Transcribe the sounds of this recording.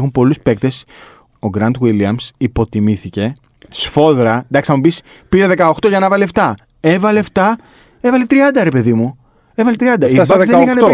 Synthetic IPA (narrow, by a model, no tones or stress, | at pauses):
xumpo̞luspe̞k̚t̪e̞s | oɡɾɐnt̪wilɐmsipo̞t̪imiθice̞ | sfo̞ðɾɐnd̪ɐksɐmubis | piɾeðe̞kɐoxt̪o̞ʝɐnɐvɐleft̪ɐ | e̞vɐleft̪ɐ | e̞vɐlet̪ɾiɐnd̪ɐɾe̞pe̞ðimu | evɐlet̪ɾiɐnd̪ɐibɐszðenixɐne